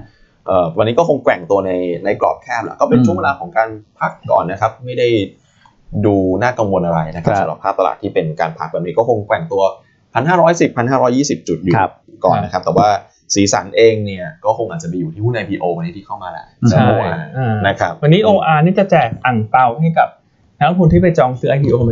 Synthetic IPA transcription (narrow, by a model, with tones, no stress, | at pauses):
ʔɤː˨˩wa˧nːiː˦˥kɔː˥˩o˧ŋkwɛ˨˩ŋt̪u˧ɐna˧jna˧jklɔ̰ː˨˩p̚kʰɛː˥˩p̚la̰˧˩kɔː˥˩pe˧nt͡ɕʰu˥˩əŋwe˧laː˧kʰɔː˩˦ŋkaː˧npʰa˦˥kːɔ̰ː˨˩nːa˦˥kʰa˦˥p̚ma˥˩jda˥˩j | duː˧naː˥˩ka˧mwo˧nʔa˧ɾa˧jna˦˥kʰa˦˥sa˨˦ɾa̰˨˩pʰːaː˥˩t̪a˧la̰ː˨˩t̪ʰːiː˥˩pe˧nka̰ː˧npʰa˦˥k̚bɛː˨˩pni˦˥kɔː˥˩kʰo˧ŋkwɛ˨˩ŋt̪u˧ɐ | pʰa˧nɦaː˥˩ɾɔː˦˥jsi˨˩pʰːa˧nɦaː˥˩ɾɔː˦˥jːiː˥˩si˨˩p̚t͡ɕu˨˩t̪̚ju˨˩˧ | kɔ̰ː˨˩nːa˦˥kʰa˦˥p̚t̪ɛː˨˩waː˥˩ | siː˩˦sa̰˩˦nʔeː˧ŋni˥˩ɐkɔː˥˩kʰo˧ŋʔaː˨˩t̚t͡ɕa˨˩mi˧ju˨t̪ʰiː˥˩puː˥˩nʔa˧jpʰiː˧ʔoː˧wa˧nːiː˦˥t̪iː˥˩kʰa˥˩wmaː˧la̰˧˩a˦ʔoː˧ʔʔaː˧˩a˨˩na˦˥kʰɾa˦˥p̚wa˧nːiː˦˥ʔoː˧ʔaː˧niː˥˩t͡ɕa˨˩t͡ɕɛː˨˩k̚t̪a˨˩ŋp̪a˨˧˩wha˥˩ka˨˩p̚ | naː˦˥mtʰu˧nt̪ʰiː˥˩pa˧jt͡ɕɔː˧ŋsɯː˦˥ʔa˧pʰi˧ʔoː˧˦